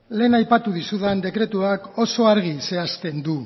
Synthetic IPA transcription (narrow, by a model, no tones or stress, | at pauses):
le̞ːnajpat̪uðisuðend̪e̞kɾe̞t̪uako̞so̞aɾɣ̞ise̞ast̪e̞nd̪u